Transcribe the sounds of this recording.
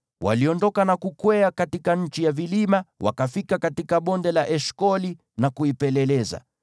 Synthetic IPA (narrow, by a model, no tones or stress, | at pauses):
wʔa̰liɔndɔkanakukwɛakatikaɲ̩t͡ʃijavilimawʔa̰kafikakatikaɓɔndɛlaʔɛʃkɔli | nakuipɛlɛlɛza̰